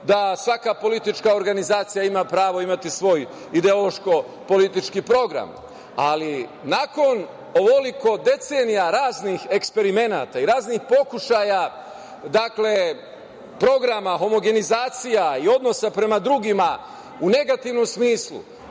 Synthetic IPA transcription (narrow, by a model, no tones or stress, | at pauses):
d̪asʋakapo̞lit̪it͡ʃkao̞ɾɡanizaːt̪sijaimapɾaːʋoimat̪isʋo̞ːj | id̪e̞o̞lo̞ʃko̞ | po̞lit̪it͡ʃkipɾo̞ɡɾa̰m | alinako̞n | o̞ʋoliko̞d̪e̞t̪senijaɾaːznixe̞kspe̞ɾime̞na̰ːt̪aiɾaːznixpo̞kuʃaja | d̪akle | pɾo̞ɡɾamaɦo̞mo̞ɡe̞nizaːt̪sijaio̞d̪no̞sapɾe̞mad̪ɾuɡima | une̞ɡat̪iʋno̞msmiːslˠṵ